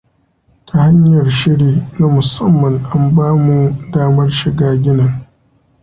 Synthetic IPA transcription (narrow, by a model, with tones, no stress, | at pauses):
tʰa˨ha˦ɲjɐ˨rʃɪ˦ɽiː˦na˦mʊ˨sɐ˦mːɐ˨ŋʔa˦mbaː˦mu˨˦daː˦mɐ˦rʃɪ˨ɡaː˦ɡʲɪ˦nɐ˨ŋ